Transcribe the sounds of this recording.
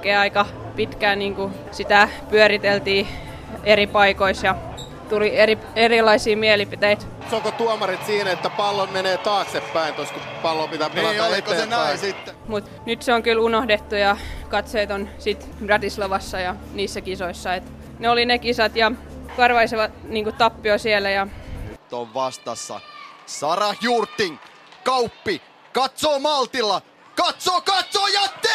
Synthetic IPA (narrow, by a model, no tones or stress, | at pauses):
keːɑikɑ | pit̪kæːniːŋku | sit̪æpyøɾit̪elt̪iː | eripɑikoisjɑ | t̪ulieri | erilɑisiːmiælipit̪eit̪ | sokot̪uomɑrit̪siːnæet̪ːæpɑlːommeneːt̪ɑːksepːæint̪oskopɑlːopit̪æpelɑet̪eesit̪ːmut̪ | nyt̪seoŋkylunohdet̪ːujɑkɑt̪seːt̪onsit̪ | rɑt̪isleʋɑsːɑjɑ | niːsːækisoisːɑet̪ | neolinekisɑt̪jɑkɑrʋɑisiʋɑt̪niːŋkut̪ɑpːiosielæjɑnyt̪ːo̰ʋʋɑst̪ɑsːɑ̰sɑrɑhjuːrt̪ːiŋ | kɑupːi | kɑt̪soːmɑlt̪ilːɑ | kɑt̪soːkɑt̪soːjɑt̪ːe